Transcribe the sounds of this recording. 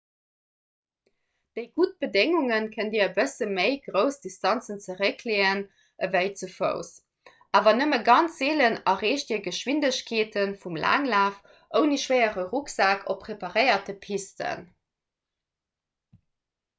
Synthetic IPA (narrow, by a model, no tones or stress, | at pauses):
d̥əɪɡut̚b̥ədeŋuŋənkʰəndiːɐəbəsəməɪɡʁəʊsd̥istɑnt͡sənt͡səʁəkʰleːən | ʔəvæɪt͡sufə̰ʊs | ʔaːvɐnəməɡɑnt͡szeːlənɐʁeːɕt̚iːɐɡəʃwindəɕkʰeːtʰənfumla̰ːŋlaːf | ʔəʊniʃwəɪəʁəʁuksaːkʰopʁepɑʁəɪɐtəpʰistʰə̰n